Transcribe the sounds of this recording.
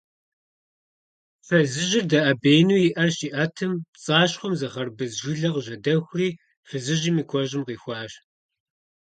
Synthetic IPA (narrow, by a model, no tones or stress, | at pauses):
fɐzɨʑɪrdɐʔɐbeːjnuːjɪʔɐrɕiːʔɐtʰɨmt͡sʼaːɕχʷɔmzɐχɐrbɨzʒʷʊɮɐʁʒɐdɐxʷriː | fɨzɨʑiːmiːkʷʰɔʑɪmqiːxʷɑːɕ